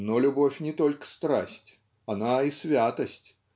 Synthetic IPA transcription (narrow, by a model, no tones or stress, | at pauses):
nɔlʲʊbɔfʲnʲɪt̪ɔlʲkə̥st̪ɾa̰sʲt͡sʲ | anaisʲvʲat̪ɐsʲt͡sʲ